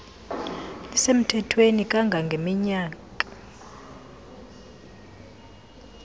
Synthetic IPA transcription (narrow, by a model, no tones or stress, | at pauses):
lisem̩tʰɛtʰwenikʼaŋɡʱaŋɡʱemiɲaːkʼa